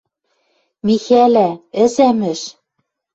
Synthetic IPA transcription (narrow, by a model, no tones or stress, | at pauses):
mixælæɘ̆sæmɘ̆ʃ